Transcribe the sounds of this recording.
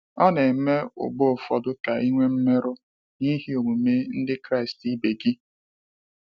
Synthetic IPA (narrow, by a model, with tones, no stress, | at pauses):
ɔ˦ne˨˦me˦ʊ̰˨ɡ͡bʊ˦˨fɔ˨dʊ˦ka˨ʔi˦ŋʷe˦m̩˦me˦ɾʊ˦ | ni˦ɦi˦o˨ŋʷu˨me˦n̩˦dɪ˦kɾa˦˨ɪ˨sti˦be˨ɡi˦